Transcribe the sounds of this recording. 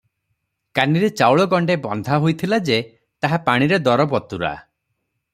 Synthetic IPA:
kaniɾet͡ʃawɭɔɡɔɳɖebɔnd̪ʱaɦojt̪ʰilad͡ʒe | t̪aɦapaɽ̃iɾed̪ɔɾɔbɔt̪uɾa̰

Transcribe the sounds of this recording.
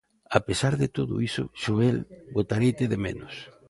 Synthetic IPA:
apesaɾðɪt̪oðo̰iso̰ʃoelbot̪aɾejt̪eðemḛ̃nʊs

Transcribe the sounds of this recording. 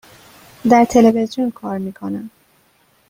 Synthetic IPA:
d̪æɾt̪ʰe̞levezijunkʰɒːɾmiːkʰo̞næm

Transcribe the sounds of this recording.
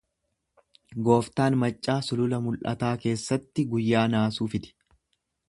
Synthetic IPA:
ɡo̞ːft̪aːnmɐt͡ʃʼːaːsʊlʊlɐmʊlʔɐ̰t̪aːke̞ːsːɐt̪ːɪɡʊjːaːnaːsuːfɪt̪ɪ̥

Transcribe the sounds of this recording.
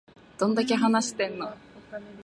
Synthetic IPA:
d̪̥õ̞nd̪ak̬e̞ɦanaɕi̥t̪ẽ̞nːo

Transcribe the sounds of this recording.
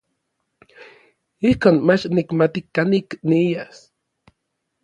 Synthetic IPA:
ihkoːnmat͡ʃnikmat̪ikanikniijas

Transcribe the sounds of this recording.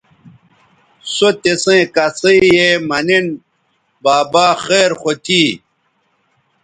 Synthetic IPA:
sot̪esẽkɐseijemɐnin | baːbaːχeːɾχot̪ʰiː

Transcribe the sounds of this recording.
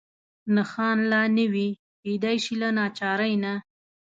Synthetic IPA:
naxɑnlɑnəwi | ked̪ajʃilanɑt͡ʃɑɾajna

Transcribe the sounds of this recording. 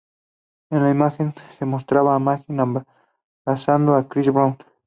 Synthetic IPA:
elaimaxensemost̪ɾaβaːmaxɪnamba | ɾasand̪oakɾiɾβa

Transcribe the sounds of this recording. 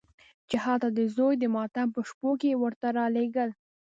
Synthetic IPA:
d͡ʒaɦɑt̪ad̪əzojd̪əmɑt̪ampəʃpokewəɾt̪aɾɑleɡəl

